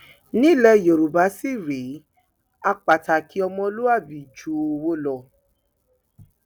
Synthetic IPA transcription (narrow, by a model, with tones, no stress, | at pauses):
nĩ˦˨lɛ˧˨jo˨ɾu˨ba˨˦si˦˨ɾe˨˦ | a˧k͡pa˨ta˨ki˨˦ɔ˧mɔ̃˧o˧˦lo˦a˦˨bi˨d͡ʒu˨˦o˧wo˦lɔ˧˨